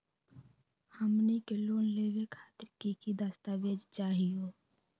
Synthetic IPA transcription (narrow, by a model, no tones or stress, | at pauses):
həmnikeloːnleːʋekʰaːt̪ɪɾkikid̪ast̪aʋeːd͡ʒt͡ʃaːɦijoː